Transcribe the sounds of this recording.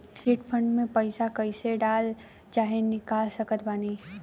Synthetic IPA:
iːʈpʰə̃ɳɖmẽpəɪsakəɪseɖaːl | t͡ʃaːɦenɪkaːlsəkət̪baːni

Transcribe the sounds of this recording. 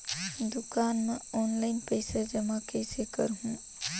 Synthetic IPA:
d̪ʊkaːnmẽɔːnlaːɪnpɐɪsad͡ʒɐmakɛːsekɐɾɦũː

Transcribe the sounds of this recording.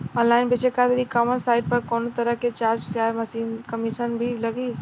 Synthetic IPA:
ə̃nlaːɪnbet͡ʃekad̪ɾikamənsaːɪɖ̚pəɾkoːnot̪əɾəɦket͡ʃaːɾd͡ʒsaːjmɐsiːnkəmiʃənbʱiləɡi

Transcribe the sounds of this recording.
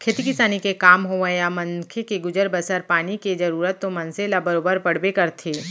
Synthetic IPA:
kʰeːt̪ikɪsaːnikekaːmɦoʋəjamɐ̃ŋkʰekeɡʊd͡ʒəɾbəsəɾpaːniked͡ʒɐɾuːɾət̪ːomɐnselabəɾoːbəɾpɐɽ̤bekɐɾt̪ʰeː

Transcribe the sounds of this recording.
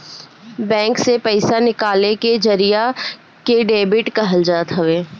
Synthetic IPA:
bɛ̃ːŋksepɛɪsanɪkaːleked͡ʒɐɾija | keɖeːbɪʈkɐɦəld͡ʒaːt̪ɦɐʋeː

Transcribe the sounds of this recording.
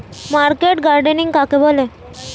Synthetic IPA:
maɾkeʈɡaɾɖəniŋɡkakebole

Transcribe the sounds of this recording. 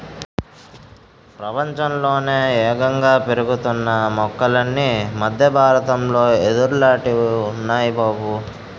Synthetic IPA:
pɾɐpɐɲt͡ʃɐmlo̞ːneːɛːɡɐŋɡaːpeɾuɡut̪unːɐmɔkːɐlɐnːimɐd̪ʱjɐbʱaːɾɐt̪ɐmlo̞ːe̞d̪uɾulaːʈiunːaːjibaːbu

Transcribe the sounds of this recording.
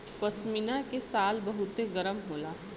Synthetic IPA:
pɐsminakesaːlbɐɦʊt̪eɡɐɾəmɦoːlaː

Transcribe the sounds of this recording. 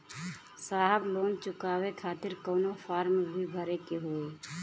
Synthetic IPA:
saːɦəbloːnt͡ʃʊkaːwekʰaːt̪ɪɾkɔːnopʰaːɾmbʱibʱəɾekeɦoːe

